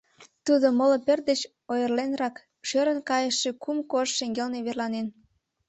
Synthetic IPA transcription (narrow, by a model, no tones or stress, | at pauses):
t̪ud̪omoloperd̪ət͡ɕ | ojərlenrɑk | ʃøɾənkɑjəʃːekumkoʃʃeŋɡelneβerlɑnen